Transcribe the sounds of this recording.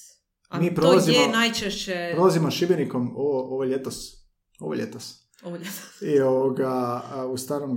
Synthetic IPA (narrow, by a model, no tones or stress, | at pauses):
miːpɾoolazimonajt͡ʃɛʃt͡ɕɛpɾolˠazimoʃibjenikomoʋoʔoʋojʎet̪os | o̰ʋojʎʲet̪os | oesioʋoɡaust̪anon